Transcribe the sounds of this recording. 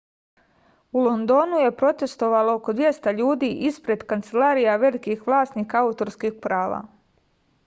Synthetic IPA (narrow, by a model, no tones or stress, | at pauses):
ulˠond̪o̞ːnuje̞pɾo̞t̪e̞st̪o̞ʋalookod̪ʋje̞st̪aʎuːd̪iʔispɾe̞d̪kant̪selaːɾijaʋe̞likixʋlˠaːst̪niːkaaut̪o̞ɾskixpɾaːʋa̰